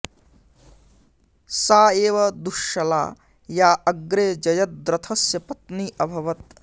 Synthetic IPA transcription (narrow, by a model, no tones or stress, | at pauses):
saːeːʋɐd̪uʃɐla̰ː | jaːɐɡɾeːd͡ʒɐjɐt̪̚d̪ɾɐt̪ʰɐsjɐpɐt̪niːʔɐbʱɐʋɐt̪̚